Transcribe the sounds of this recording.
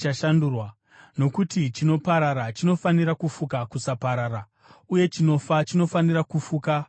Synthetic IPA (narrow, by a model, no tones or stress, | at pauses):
aʃandurwa | no̞kutit͡ʃino̞paɾaɾat͡ʃino̞faniɾakufukakusapaɾaːra | uje̞t͡ʃino̞fat͡ʃino̞fanirakufuːka